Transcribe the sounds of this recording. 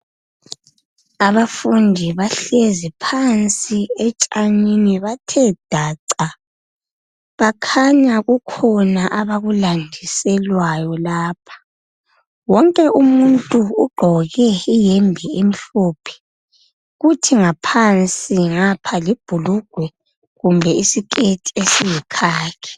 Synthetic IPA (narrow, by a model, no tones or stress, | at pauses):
aβafundʱiβaɬezipʰant͡sʼiɛt͡ʃʼaɲiniβatʰɛd̥ʱaːǀa | βakʰaɲaɣukʰɔnaʔaβaɣulandʱisɛlwajɔlaːpʰḁ | wɔŋkʼɛʔumuntʼuːɡ͡ǃʱɔɣɛijɛmbʱɛem̩ɬoːpʰɛ̥ | ɣutʰiŋapʰant͡sʼiŋapʰalib̥ʱuluɡ̥ʱwɛ | ɣumbʱɛisikʼetʼi̥esijikʰaːkʰɛ̥